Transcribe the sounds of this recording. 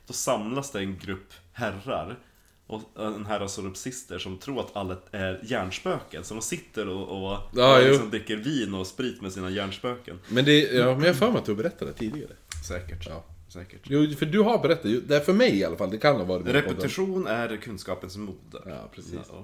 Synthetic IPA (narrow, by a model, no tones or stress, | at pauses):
d̪̥ɔsamlasd̪ɛɛnɡɾɵpːhærːa̰ɾ | ʔɔɛnɦæɾasɔɾəpsɪst̪əʂɔmt̪ʰɾuːɾat̪ʰalːaæɾjæːɳʂpøːkə̰nsɔd̪ɔmsɪt̪ːəɾɔɔjɑːj̪ɪuːksɔmd̪ɾɪkːəɾviːnɔspɾiːt̪mɛsiːnajæːɳʂpøːkə̰nmɛnd̪ɛjɑːmɛɛnjɑhfœːmɛat̪d̪ɵhaɾbɛɾɛt̪ʰːad̪ɛ̰æt̪ʰiːd̪ɪɡa̰ɾə̰sɛːkəʈɑ̰ːsɛːkəʈjuːfœɖɵɦaɾbɛɾɛt̪ːat̪jʊd̪ɛæɾfœɾmɛjɪalːafald̪ɛkʰanːavɑːɾɪɾɛpɛd̪ɪɧuːnæɾkʰɵnskɑːpənsmuːd̪ə̰ɑ̰ːpʰɾɛsi